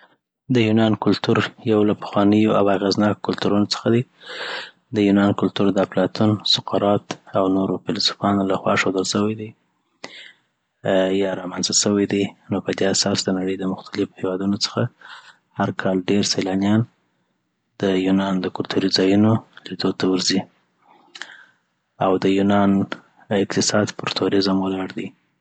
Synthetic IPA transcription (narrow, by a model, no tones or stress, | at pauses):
d̪əjunɑnkʊlt̪uɾjawlapə̥xwɑnəjoʔawaɣeznɑkkʊlt̪uɾunot͡sə̥xad̪i | d̪əjunɑnkʊlt̪uɾd̪aplɑt̪ʰunsʊqaɾɑt̪awnoɾofɪlɑsu̥fɑnolaxwɑ̰ʂod̪əlʃəwajd̪a | jɑɾɑmanzasəwajd̪ijnopəd̪easɑsd̪ənaɽəjd̪əmʊxt̪alɪfhewɑd̪unot͡sə̥xa | haɾkʰɑlɖeɾsajlɑnijɑn | d̪̥əjunɑnd̪əkʊlt̪ʰuɾizɑjunolid̪od̪̚t̪ʰawəɾzi | awd̪əjunɑn | ɪqt̪ɪsɑd̪pʊɾt̪ʰoɾɪzamwalɑɽd̪i